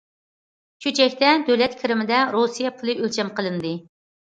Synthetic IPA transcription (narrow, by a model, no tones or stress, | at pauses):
t͡ʃʰut͡ʃʰɛkʲt̪ɛd̪øwlɛt̪kʲʰɪɾɪmɪd̪ɛɾosijɑpʰulˠɨølt͡ʃʰɛmqəlˠɨnd̪ɨ